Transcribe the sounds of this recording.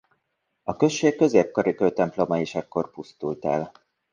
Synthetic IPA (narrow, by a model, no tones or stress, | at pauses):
ɒkø̞ʃːeːkːø̞zeːp̚kɒɾikøjt̪ɛmplo̞mɒeːʃɛkːo̞rpust̪ult̪ɛ̰l